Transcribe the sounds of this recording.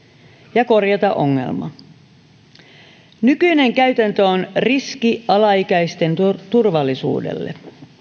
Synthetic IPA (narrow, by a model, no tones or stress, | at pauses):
jɑko̞rjɑt̪ɑʔo̞ŋːe̞̰lmɑ̰ | nykyjne̞ŋkæyt̪ænt̪øonriskiɑlɑikæjst̪e̞nt̪urʋɑlːisṵːdḛlːḛ